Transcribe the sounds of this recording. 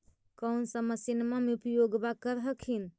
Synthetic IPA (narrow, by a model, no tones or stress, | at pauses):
kənsəməsinmameupjoɡbakəɾɦəkʰin